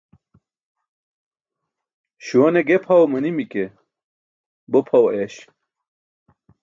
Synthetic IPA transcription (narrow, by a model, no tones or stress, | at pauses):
ɕuwɐneɡepʰɐwmənimike | bopʰɐweɕ